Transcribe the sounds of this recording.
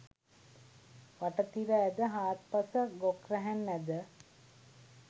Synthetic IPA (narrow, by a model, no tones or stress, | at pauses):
ʋaʈət̪iɾəæd̪əɦaːt̪pasəɡokrɛɦænːæd̪ə